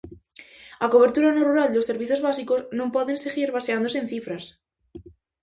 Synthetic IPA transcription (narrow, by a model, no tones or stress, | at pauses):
ako̞β̞e̞ɾt̪uɾanoruɾald̪osːe̞ɾβiθjozβasiko̞znõmpwoðe̞nseɣiɾβaseand̪o̞seːnθifɾas